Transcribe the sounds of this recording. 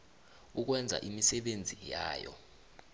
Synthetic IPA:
uk̬wɛnd͡zʱa̰ʔimisɛɓend͡zʱijaːjɔ̰

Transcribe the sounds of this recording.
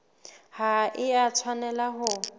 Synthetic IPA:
haʔɪat͡sʰwanɛlaɦʊ

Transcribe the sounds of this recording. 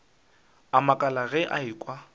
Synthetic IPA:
amakʼalaɣɛʔa̰ikʼwa

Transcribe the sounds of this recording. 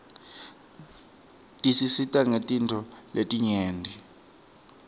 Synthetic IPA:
tʼisisitʼaŋetʼintʰɔletʼiɲeːndʱi

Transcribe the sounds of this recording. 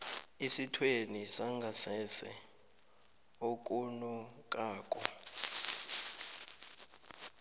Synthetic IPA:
isitʰwenisaŋɡʱasɛsɛ̰ | ok̬ʼunɔk̬ʼaːkʼɔ

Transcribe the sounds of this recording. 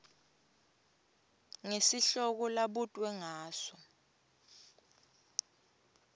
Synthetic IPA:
ŋesiɬɔk̬ɔlaɓutʼwɛŋaːsɔ

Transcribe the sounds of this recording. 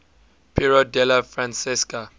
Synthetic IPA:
pʰiɹɔdɛlafrãnsiska

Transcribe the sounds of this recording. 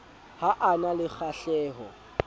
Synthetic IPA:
haʔanalɪk͡xʰaɬɛːɦɔ̰

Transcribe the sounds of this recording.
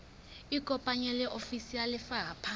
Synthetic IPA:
ikʼɔpʼaɲɛlɛʔofisialɪfaɦapʰa

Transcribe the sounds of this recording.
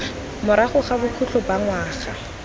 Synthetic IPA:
mʊɾaχʊχabʊkʰut͡ɬʰɔbaŋwaːχa̰

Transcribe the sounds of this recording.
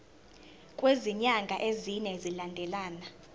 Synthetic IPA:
kʼweziɲaŋɡʱaʔeziɲɛzilandʱɛlaːna

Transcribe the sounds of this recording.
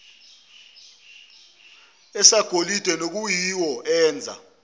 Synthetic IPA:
ɛsaɡ̥ʱolid̥ʱɛnok̬ujiwɔʔɛːnd͡zʱa̰

